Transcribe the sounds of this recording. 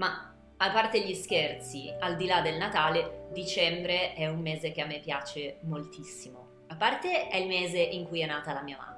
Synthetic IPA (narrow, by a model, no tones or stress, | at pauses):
ma | apːart̪eʎːisk̟ert̪siald̪ilad̪elnat̪aːled̪it͡ʃɛmbɾeɛumːeːzek̟eamːepːjaːt͡ʃemolt̪isːimo | apːart̪eɛilmeːzeʔiŋkujɛnːaːt̪alamiːama̰